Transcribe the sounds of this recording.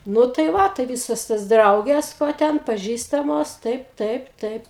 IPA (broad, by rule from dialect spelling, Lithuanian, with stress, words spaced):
ˈnʊ tɐɪ ˈʋɐ tɐɪ ˈʋʲiːsoːs toːs ˈdrɐʊɡʲeːs ʋoː ˈtʲɛn pɐˈʒʲiːstɐmoːs ˈtɐɪp ˈtɐɪp ˈtɐɪp